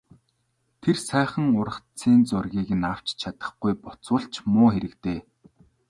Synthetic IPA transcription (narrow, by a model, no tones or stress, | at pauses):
t̪ʰersæːχə̆ŋʊɾə̆χt͡siːnt͡sʊrɣʲiːɣɘ̆naw̥t͡ɕt͡ɕʰat̪ə̆χɡujpɔt͡sʊːɬt͡ɕmʊːxeɾɘ̆kt̪eː